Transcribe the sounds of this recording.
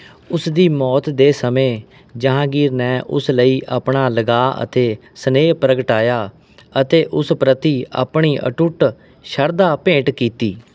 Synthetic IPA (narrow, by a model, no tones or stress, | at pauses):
ʊsd̪iːmɔːt̪d̪eːsəmẽː | d͡ʒəɦãːɡiːɾnɛːʔʊ̰sləiːʔa̰ːpɳaːləɡaːʔə̰t̪eːsəneːpɾəɡəʈaːjaː | ət̪eːʔʊspɾət̪iːa̰ːpɳiːʔə̰ʈʊʈ | ʃəɾd̪aːpẽːʈkiːt̪iː